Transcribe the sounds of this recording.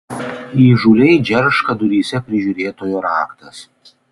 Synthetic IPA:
iːʒuːlʲɛɪd͡ʒʲɛɾʃkɐd̪ʊɾʲiːsʲɛpʲɾʲɪʒʲuːɾʲeːt̪oːjoɾaːkt̪ɐs

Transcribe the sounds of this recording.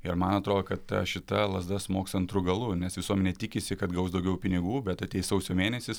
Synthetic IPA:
ɪɾmɐnɐt̪ɾoːd̪okɐt̪tɐ̰ʃʲɪt̪ɐlˠɐzd̪ɐsmoːkstɐnt̪ɾʊɡɐlˠʊnʲɛsʋʲɪsuɔmʲɛnʲeːt̪ʲɪkʲɪsʲɪkɐt̪ɡɐʊsd̪ɐʊɡʲɛʊpʲɪnʲɪɡuːbʲɛt̪ɐt̪ʲeɪjsɐʊsʲoːmʲeːnʲɛsʲɪs

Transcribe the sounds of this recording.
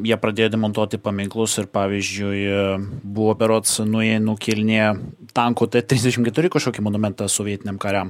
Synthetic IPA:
jiɛpɾɐd̪ʲeːjoːd̪ʲɛmont̪uɔt̪ʲɪpɐmʲɪŋklˠʊsɪɾpɑːʋʲizʲd͡ʒʲʊɪ | buoːpʲɛɾoːt̪snʊɛnʊkʲɪlʲnʲeːt̪ɐŋkʊt̪ɐt̪ʲɾʲiːzʲd̪ʲɛʃʲɪmkʲɛt̪ʊɾʲɪkɐʃkʲoːkʲɪmonʊmʲɛnt̪ɑsoːʋʲiɛt̪ʲɪnʲeɛmkɐɾʲɛm

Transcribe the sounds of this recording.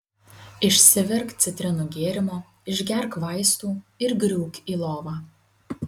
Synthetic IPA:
ɪʃʲsʲɪʋʲɪɾktt̪sʲɪt̪ʲɾʲɪnuɡʲeːɾʲɪmoː | ɪʒʲɡʲɛɾkʋɐˑɪst̪uːɪɾɡɾʲuːkʲiːlˠoːʋɑː

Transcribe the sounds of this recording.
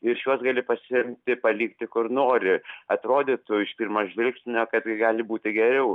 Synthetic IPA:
ɪɾʃjuɔsɡɑːlʲɪpɐsʲɪɪmʲt̪ʲɪpɐlʲiːkt̪ʲɪkʊrnoːɾʲɪɐt̪ɾoːd̪ʲet̪ʊɪʃpʲiːrmɐʒʲʋʲɪlʲksʲɪnʲoːkɐt̪ʲɡɑːlʲɪbuːt̪ʲɪɡʲɛɾʲɛʊ

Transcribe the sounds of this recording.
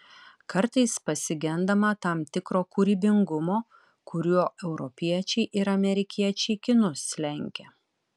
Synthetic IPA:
kɐɾt̪ɐɪspɐsʲɪɡʲɛnd̪ɐmɐt̪ɑːˑmt̪ʲɪkɾoːkʊɾʲiːbʲɪŋɡʊmoː | kʊɾʲuɔʔɛʊɾɔpʲiɛt͡ʃʲɛɪʔɪɾɐmʲɛɾʲɪkʲiɛt͡ʃʲɛɪkʲɪnʊslʲɛŋʲkʲɛ

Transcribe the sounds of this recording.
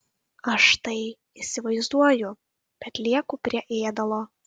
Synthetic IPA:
ɐʃt̪ɐɪ | isʲɪʋɐɪzd̪uɔjʊ | b̥ʲɛt̪lʲiɛkʊpʲɾʲiɛʔeːd̪ɐlˠoː

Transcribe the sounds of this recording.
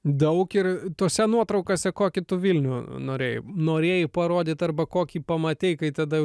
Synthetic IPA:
d̪ɐʊkɪɾt̪oːsʲɛnuɔt̪ɾɐʊkosʲɛkoːkʲɪt̪ʊʋʲilʲnʲʊnoːɾʲeːjʊ̰noːɾʲeːjɪpɐɾoːd̪ʲɪt̪ɐrbɐkoːkʲiːpɐmɐt̪ʲeɪkɐɪt̪ɐd̪ɐ

